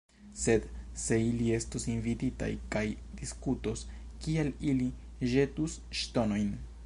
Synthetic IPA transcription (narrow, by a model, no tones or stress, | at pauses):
se̞d̪se̞ilie̞stosinvitita̰jkaj | d̥iskuto̞s | kialili | ʒe̞tus | ʃto̞no̞jn